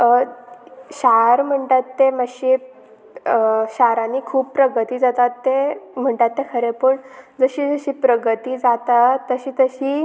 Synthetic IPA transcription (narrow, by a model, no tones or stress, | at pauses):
ɕaɾm̤əɳʈ̪at̪ːeməɕi | ɕaɾãniːkʰuːbpɾəɡət̪iːd͡zat̪at̪ːem̤əɳʈ̪at̪ːekʰəɾepəɳd͡zəɕiːd͡zəɕiːpɾəɡət̪iːd͡zat̪at̪əɕiːt̪əɕiː